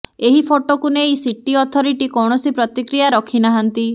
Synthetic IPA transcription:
eɦipʰoʈokuneisiʈiɔt̪ʰɔɾiʈikɔwɳ̃ɔsipɾɔt̪ikɾijaɾɔkʰinaɦant̪i

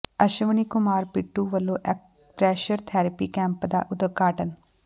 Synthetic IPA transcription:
əʃəʋəniːkʊmaːɾpɪʈːuːʋəlːõːʔɛk | pɾɛːʃəɾt̪ʰɛːɾəpiːkɛ̃ːmpd̪a̰ːʔʊd̪əɡʱaːʈən

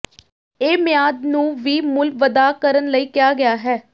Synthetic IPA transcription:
eːmɪjaːd̪nũːʋiːmʊlʋəd̪aːkəɾənləiːkɪjaːɡɪjaːɦɛː

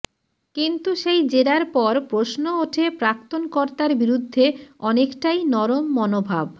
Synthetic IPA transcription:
kint̪uʃejd͡ʑeɾaɾpɔɾpɾosnooʈʰepɾakt̪onkoɾt̪aɾbiɾud̪ʱːeɔnekʈajnɔɾomːɔnobʱab

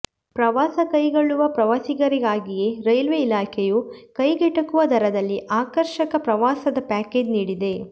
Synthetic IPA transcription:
pɾɐʋaːsɐkɐjɡoɭːuʋɐpɾɐʋasiɡɐɾiɡaːɡije̞ɾɐjlʋeilaːkʰejukɐjɡɛʈːɐkuʋɐd̪ʱɐɾɐd̪ɐlːiʔaːkɐɾʃɐkɐpɾɐʋaːsɐd̪ɐpaːke̞ːd͡ʒniːɽid̪e̞

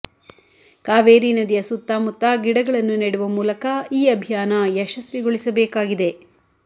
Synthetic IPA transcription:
kaːʋeːɾiːnɐd̪ijɐsut̪ːaːmut̪ːaɡiɽɐɡɐɭɐnːuniːɽuʋɐmuːlɐkɐiːɐbʱijaːnɐjɛʃɐsʋiɡoɭisɐbɛːkaːɡid̪e̞

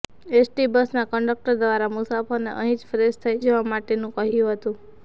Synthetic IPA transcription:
esʈibəsnakəɳɖək̚ʈəɾd̪ʋaɾamusafoneʔə̰̃ɦĩd͡ʒfɾest̪ʰəid͡ʒoʋamaʈenũkəɦjũɦət̪ũ

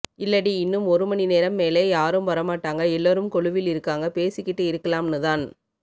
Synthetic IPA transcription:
ɪlːɐɽiɪnːɯmɔɾɯmɐnineːɾɐmːeːleːjaːɾɯmʋɐɾɐmaːʈːaːŋɡɐɛlːoːɾɯmkɔɭɯʋɪlɪɾɯkːaːŋɡɐpeːsɪkːɪʈːɯɪɾɯkːɐlaːmnɯðaːn

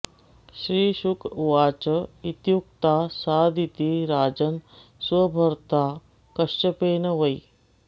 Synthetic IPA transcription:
ʃɾiːʃukʰʋaːt͡ʃəit̪juk̚t̪aːsaːd̪ʱit̪iɾaːd͡ʒən | sʋɐbʱəɾt̪aː | kɐʂt͡ʃəpeːnɐʋɐj

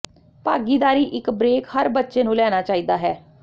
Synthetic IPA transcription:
paːɡiːd̪aːɾiːʔɪkbɾeːkhəɾbətːʃeːnũːlɛːnaːt͡ʃaːiːd̪aːɦɛː

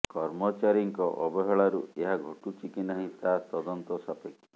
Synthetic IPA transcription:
kɔɾmɔt͡ʃaɾiŋkɔʔɔbɔɦɔɭaɾueɦaɡʱoʈut͡ʃikinaɦit̪at̪ɔd̪ɔnt̪ɔsapeki̥

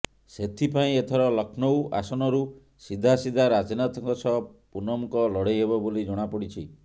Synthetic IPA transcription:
set̪ʰipaĩet̪ʰɔɾɔlɔkʰnowa̰sɔnɔɾu | sid̪ʱasid̪ʱaɾat͡ʃinat̪ʰɔŋkɔsɔpunɔmukɔlɔɽejɦebɔbolid͡ʒɔɽ̃apɔɽit͡ʃʰi

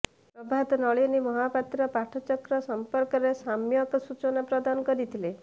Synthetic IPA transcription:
pɾɔbʱad̪nɔɭinimɔɦapat̪ɾɔpaʈʰɔt͡ʃɔkɾɔsɔmpɔɾkɔɾesamjɔkɔsut͡ʃɔnapɾɔd̪anɔkɔɾit̪ʰile

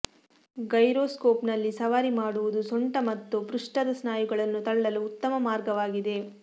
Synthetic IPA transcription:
ɡɐjɾoːskoːpnɐlːisɐʋaːɾimaːɽuʋud̪usoɳʈɐmɐt̪ːupɾuʂʈɐd̪ɐsnaːjuɡɐɭɐnːut̪ɐɭːɐluːt̪ːɐmɐmaːɾɡɐʋaːɡid̪e̞

